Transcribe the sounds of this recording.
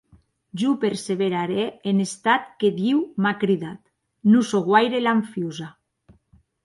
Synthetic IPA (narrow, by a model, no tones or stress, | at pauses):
ʒupeɾseβeɾaɾeːnest̪at̪ked̪iwmakɾiðat̪ | nusoɣwajɾelaɱfjuza